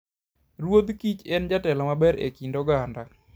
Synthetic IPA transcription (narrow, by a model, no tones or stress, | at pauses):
rwod̪kit͡ʃɛnd͡ʒatɛlɔmabɛɾḛkindoɡanda